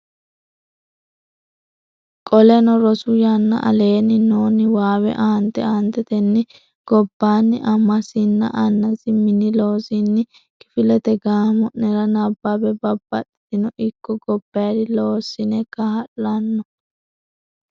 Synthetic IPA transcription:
kʼɔlɛnɔɾɔsʊjɐnːɐ̰ʔɐ̰le̞ːnɪnoːnɪwaːwɛ̰ʔant̪ɛ̰aːnt̪ɛt̪ɛnːɪ | ɡ̥ɔbːaːnːɪʔɐmːɐsɪnːɐ̰ʔɐnːɐsɪmɪnɪlo̞ːsɪnːɪ | kɪfɪlɛt̪ɛɡaːmɔʔnɛɾɐnɐbːɐbɛbɐbːɐt̪ːɪ̥t̪ɪnɔʔɪkːɔɡɔb̥ːɐjd̪ɪloːsːɪnɛkɐhɐlːɐnːɔ

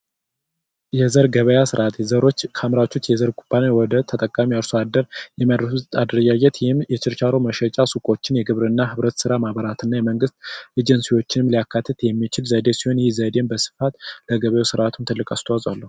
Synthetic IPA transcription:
jɛzəɾɡəβəjasɨɾʔat̪ʰzəɾo̞t͡ʃːkʰamɾawt͡ʃːot͡ʃːjɛzəɾkʰʼupʰːanewɔd̪ət̪ʰət̪ʼəkʼːamiəɾsoad̪əɾjɛmad̪ɾfut̪ad̪ɾəd͡ʒajɛt̪jɛhɪmjɛt͡ʃɪɾt͡ʃaɾoməʃɛt͡ʃʼasukʼo̞t͡ʃːɪnjɛɡɨβɾɨnːahɨβɾət̪sɨɾamaβəɾat̪ɨnːajɛməŋɡɨst̪ʔed͡ʒɛnsiwo̞t͡ʃːɪnɨmlijakʰːat̪ʰːɨt̪jɛmːit͡ʃɪlzəd̪e̞siho̞njɪzəd̪enbəsɨ̥fat̪ləɡəβəjesɨɾʔat̪ʰunt̪ʰɨlːɨkʼast̪ʰawazʼwalːəhu

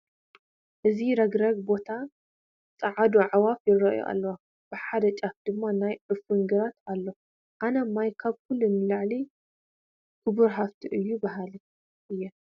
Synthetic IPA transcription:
ʔɨziɾɐɡɾɐɡ̚bo̞t̪ʰa | t͡sʼɐʕad̪uʕawafjɪrɐjo̰ʔa̰lːɐwa | b̥ɨħad̪ɐt͡ʃʼafd̪̥ɨmːanajʕɨfɨŋɡɨɾat̪alːo | ʔanɐmːajkʰaβkʰulːunlaʕli | kʰɨbuɾɦaft̪ʰiʔɨjːubɐɦali | ʔɨjːɛ

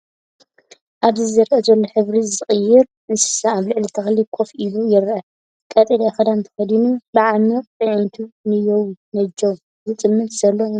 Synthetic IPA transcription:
ʔaβzɨzɐɾʔɐzɐlːoħɨβɾizɨχʼɨjːɪɾ | nɨssaaβlɨʕlit̪ʰɐxlikʰʼo̞fʔilujɪɾɐ | kʼɐt̪ʼed̪axɐd̪ant̪ʰɐ̥xɐd̪inubɨʕamɨt̪ʼɨʕɨnt̪ʰunɨjownɐd͡ʒow | zɨt͡s̪ʼɨmːɨt̪ʼz̥ɐlːo

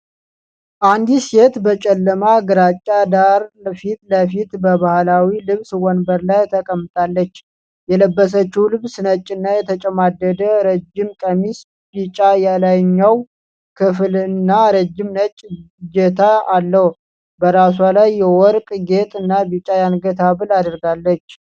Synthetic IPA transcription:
ʔand̪ise̞t̪bət͡ʃʼɛlːəmaɡɨɾat͡ʃʼːad̪aɾfit̪ləfit̪bəβahlawilɨβswɔnbəɾlajt̪ʰəkʼəmːɨt̪ʼalːət͡ʃː | jɛləbːəs̬ət͡ʃːuwlɨβsɨnət͡ʃʼːɪnːajɛt̪ʰət͡ʃʼɛmad̪əd̪əɾəd͡ʒːɪmkʼəmis | bit͡ʃʼajalajɲːaw | kʰɨflɨnːaɾəd͡ʒːɪmnət͡ʃʼ | d͡ʒɛt̪ʰaalːəh | bəɾas̬walajːɛwɔɾkʼɡe̞t̪ʼɨnːabit͡ʃʼajanɡət̪ʰaβɨlad̪əɾɡalːət͡ʃː

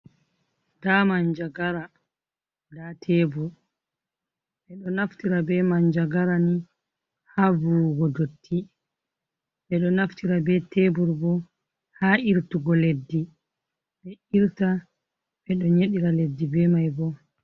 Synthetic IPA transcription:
d̥amaɲd͡ʒaɡaɾa | datʰɛbuɾ | ɓɛɗɔnaftiɾabɛmaɲd͡ʒaɡaɾani | habuɡɔdotʰːi | ɓɛɗɔnaftiɾabɛtʰebuɾbɔ | haiɾtuɡɔledːi | ɓɛiɾta | ɓɛɗɔɲeɗiɾaledːibɛmajbɔ

